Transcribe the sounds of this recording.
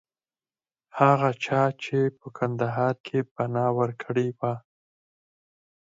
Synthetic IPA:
haɣat͡ʃɑt͡ʃepəkʰand̪aɦɑɾkʰepanɑwəɾkʰəɽewa

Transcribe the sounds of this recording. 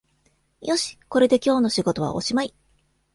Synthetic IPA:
jo̞ɕi̥ko̞ɾe̞d̪e̞kʲo̞ːno̞ɕiɡo̞t̪o̞βa̰ʔo̞̰ɕimai

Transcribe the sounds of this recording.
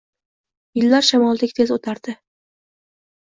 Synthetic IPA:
jɪlːaɾʃamɒlˠd̪ɪkʲt̪ʰezot̪ʰaɾd̪̥ɪ

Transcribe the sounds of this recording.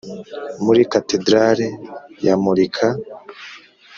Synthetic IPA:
muɾikatedɾaɾejamuɾikʰa

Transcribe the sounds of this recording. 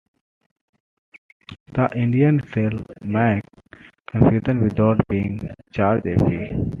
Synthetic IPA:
d̪̥əʔɪ̃ɳɖiə̃nselmɛkkə̃mfjuːʈə̃nʋɪd̪aʊʈbiːɪ̰̃ŋt͡ʃaːɾd͡ʒefi

